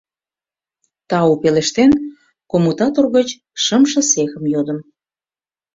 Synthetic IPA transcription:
t̪ɑupeleʃt̪en | komut̪ɑt̪orɣət͡ɕ | ʃə̆mʃə̆sexə̆mjod̪əm

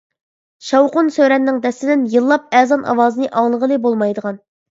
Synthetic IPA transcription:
ʃɑwqʊnsøɾɛnːɪŋd̪ɛsɪd̪ɪnjɨlˠːɑp̚ɛzɑnʔɑ̰wɑːzɨnɨʔɑŋlˠəʁəlˠɨbolˠmɑjd̪əʁɑn

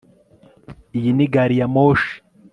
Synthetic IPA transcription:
ijiniɡaɾijamoʃi̥

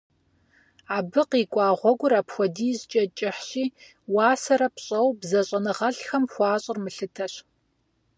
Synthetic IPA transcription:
aːbɨqiːkʷʼɑːʁʷɔɡʷʊɾaːpxʷɔdiːzt͡ʃʼɐt͡ʃʼɪħɕiː | waːsɐɾɐpɕʼɐwbzɐɕʼɐnɨʁɐɬxɐmxʷɑːɕʼɪrmɨɬɨtʰɐɕ

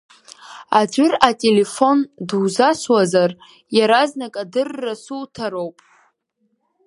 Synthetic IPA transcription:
ad͡ʒʷʊratʼe̞le̞fo̞ndwzaswazar | jaɾaznakʼadɨrːasutʰaɾowpʼ

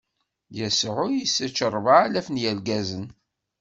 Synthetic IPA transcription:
jəsʕʊjisæt͡ʃːəɾˤvalæfənjælɡæzən

